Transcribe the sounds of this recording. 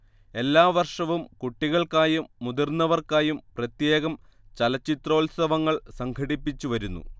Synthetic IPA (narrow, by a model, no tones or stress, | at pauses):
e̞lːaːʋɐrʂɐʋumkuʈːiɣɐɭkaːjumːuðirnːɐʋɐrkaːjumprɐt̪je̞ːɣɐmt͡ɕɐlɐt͡ɕːit̪ro̞ːlsɐʋɐŋːɐɭsɐŋɡʰʱɐɽipːit͡ɕːuʋɐɾunːṵ